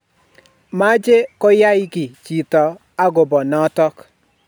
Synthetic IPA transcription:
ma˦d͡ʒe˦kɔ˦ja˦ɪ˦ɡɪ˨t͡ʃi˨tɔ˨ | a˦ɡo˨bɔ˨nɔ˨˦tɔ˦k

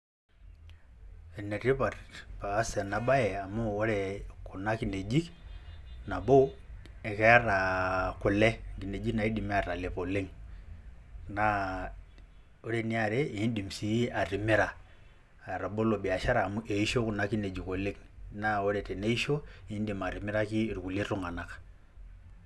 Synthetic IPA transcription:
e˨ne˨ɾi˦pa˨paː˨˦se˨na˨ɓa˦je˨a˨mu˦o˦ɾe˨ku˨na˦ki˨˦ne˨d͡ʒi˦k | na˨bo˦ | e˨ke˦ja˦ɾa˨ku˨le˦˨ŋɡi˨ne˨d͡ʒi˦na˨i˦di˨mi˦a˦˨ɾa˨le˨po˨le˦ŋ | na˨˦ | o˦ɾe˦ni˦a˨ɾe˦i˨i˦ndi˨m˨si˨˦a˨ɾi˨mi˦ɾa˨ | ɾa˨bo˦lo˨ɓi˨a˨ʃa˦ɾa˨mu˦ʔe˨i˦ʃo˦ku˨na˦ki˦ne˨d͡ʒi˨ko˨le˦ŋna˦o˦ɾɛ˨tɛ˨ne˦i˦ʃo˦i˨i˦ndi˨ma˨ɾi˨mi˦ɾa˦ki˦˨ɾu˨ku˨le˦ɾu˦ŋa˨na˨kḁ˨

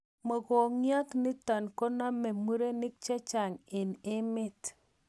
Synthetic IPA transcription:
mo˨ɡo˨ŋja˦tnɪ˦ta˨nko˦na˦me˨mu˦ɾe˦nɪ˦k̚t͡ʃɛ˦t͡ʃa˨ŋɪ˨nɪ˦mɪ˦t

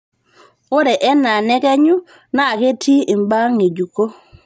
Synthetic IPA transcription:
o˦ɾɛ˨ʔɛ˦na˨nɛ˦kɛ˦ɲu˦ | na˦˨ke˦tʰi˦i˨mba˦ŋe˨d͡ʒu˨ko˦

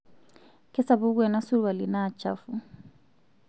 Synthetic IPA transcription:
kɛ˦sa˦βu˦kwɛ˨na˦su˦ɾwa˨li˨naː˨t͡ʃa̰˦fu˦

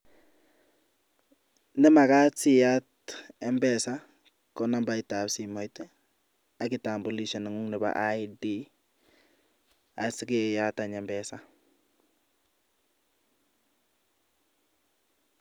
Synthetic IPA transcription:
nɛ˦ma˨ka˦si˦ja˦t | ɛ˦mbɛ˨sa˦ | kɔ˦na˦mba˦ɪta˨psi˨mɔ˨jtɛ | a˨˦kɪ˨ta˨mbo˨li˦˨ʃa˨na˨ŋu˦ŋnɛ˨ba̰ʔajdi˦ | a˨sɪ˦ke˦ja˦ta˨ɲɛ˨mbɛ˦sa˨

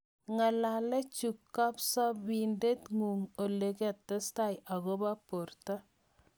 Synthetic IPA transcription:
ŋa˨la˨lɛ˦t͡ʃu˨kːa˦psɔ˦bi˨nde˦tŋu˨ŋo˨le˨kɛ˦˨tːɛ˦sta˦jʔa˨ɣɔ˦ba˦po˨rta˦

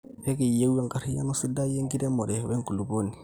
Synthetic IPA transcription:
pe˦ki˨je˦wja˦ŋka˨ɾi˦ja̰˦nu˦si˦da˦je˦ŋɡi˦de˦mo˨ɾe˨we˦ŋku˨lu˨bo˦ni˨

